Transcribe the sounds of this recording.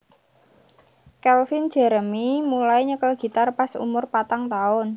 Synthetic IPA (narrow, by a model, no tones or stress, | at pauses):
kɛlfind̥d͡ʒ̥ɛ̤ɾəmimulaiɲəkəlɡ̥i̤t̪arpasṵmʊrpat̪aŋt̪aʊn